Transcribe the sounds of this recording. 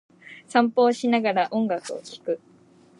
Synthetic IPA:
sãmpo̞ːɕinaɡaɾaʔõ̞ŋɡakɯ̟o̰kʲi̥kɯ̟

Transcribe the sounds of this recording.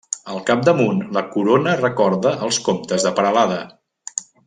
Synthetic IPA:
əlˠkap̚d̪əmunləkuɾonərəkɔɾðəʔəlˠskomt̪əzðəpəɾəlaðə

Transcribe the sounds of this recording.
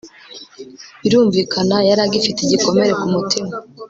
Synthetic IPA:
iɾuːɱviːkʰanajaɾaɡifiteɟiko̞me̞ɾe̞kumutima

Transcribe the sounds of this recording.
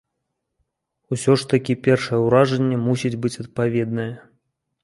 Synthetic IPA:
usʲɔʂt̪ɐkʲipʲɛrʂɐjɛwɾaʐɐnʲːɛmusʲid͡zʲbɨt͡sʲɐt̪̚pavʲɛd̪̚nɐjɛ

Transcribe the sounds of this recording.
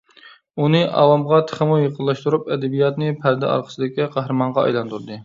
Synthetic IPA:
unɨʔɑ̰wɑmʁɑt̪ʰə̥χəmujəqʰəlˠːɑʃt̪uɾupɛd̪ɛbijɑt̪nɨpʰæɾd̪ɛ̰ɑ̰ɾqʰəsɨd̪ɪkʲiqʰæɦɾɨmɑɴʁɑɑ̰jlˠɑnt̪ʰuɾd̪ɨ

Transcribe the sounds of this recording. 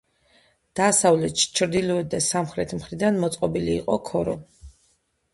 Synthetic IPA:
d̪̥aːsavlɛt̪ʃi̥t͡ʃʰɾd̪ilɔɛd̪̚d̪asamχɾɛt̪ʰmχɾid̪anmɔt̪sʼqʼɔbiliːqʼɔkʰɔɾɔ

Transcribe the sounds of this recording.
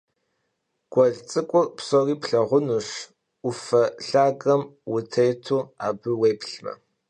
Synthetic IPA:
ɡ̥ʷɔɮt͡sʼɨkʷʼʊrpsɔriːpɬɐʁʷʊnuʂ | ʊfɐɬaːɡɐmwʊtʰejtʰuːaːbɨwejpɬmɐ̰

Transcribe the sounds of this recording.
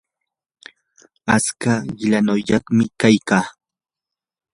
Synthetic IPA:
at͡skaɢɪlanʊʎɑχmɪkajkaː

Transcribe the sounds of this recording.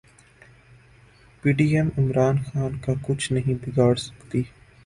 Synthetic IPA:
piːɖiːɛmɪmɾaːnxaːnkakʊt͡ʃʰnɐɦĩbɪɡaːɽsɐ̥kt̪iː

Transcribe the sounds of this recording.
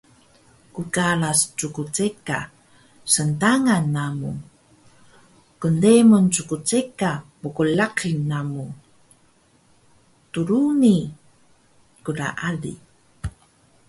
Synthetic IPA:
kukaɭast͡sukut͡seka̰ | səntaŋanːamṵ | kəndemunt͡sukut͡sekamukulaqinːamu | tuɾuni | kuɾa̰ʔalḭ

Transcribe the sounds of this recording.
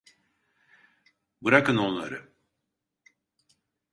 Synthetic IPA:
bɯɾakɯno̞nlˠa̰ɾɯ

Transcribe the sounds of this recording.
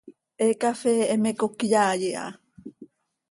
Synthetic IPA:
ʔekafeːmekokijaːjeʔa̰

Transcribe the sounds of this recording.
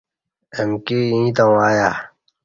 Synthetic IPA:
emkiĩːt̪ɐwaːja

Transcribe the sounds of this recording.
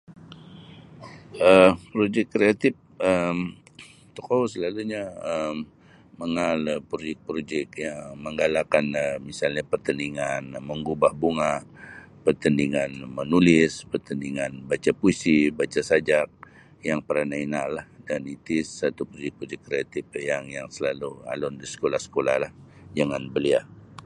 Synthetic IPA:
əpɾod͡ʒɛkːɾeat̪ɪp̚əm | t̪ɔkowsəlaluɲaəmː | əŋaləpɾod͡ʒɛk̚pɾod͡ʒɛkjaŋməŋɡalakanəmisalɲapərt̪əniŋanməŋɡubahbuŋa | pərt̪əndiŋanmənulɪspərt̪əndiŋanbat͡ʃapuisibat͡ʃasad͡ʒak̚ | jaŋpəɾanainalːahdanit̪isat̪upɾod͡ʒɛk̚pɾod͡ʒɛkːɾeat̪ɪp̚jaŋjaŋsəlalua̰lɔndisə̥kolahsə̥kola̰hlahd͡ʒaŋanbəlia

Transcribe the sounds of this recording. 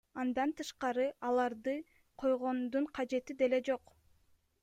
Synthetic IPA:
ɑnd̪ɑnt̪ɯʃqɑɾɯɑlˠɑɾd̪ɯ | qʰo̞jʁo̞nd̪uɴqʰɑd͡ʒe̞t̪id̪e̞le̞d͡ʒo̞q

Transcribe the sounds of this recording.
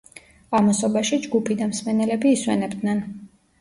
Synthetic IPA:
amɔsɔbaʃid͡ʒɡupʰid̪amsmɛnɛlɛbiːswɛ̰nɛbd̪nɛn

